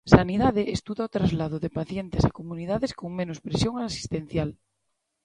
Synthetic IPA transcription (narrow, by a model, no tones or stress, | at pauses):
saniðaðeʔest̪uðaot̪ɾazlað̞oðepaθjent̪esakomunið̞aðeskoŋmẽnospɾesjoŋasi̥st̪ẽn̟θjal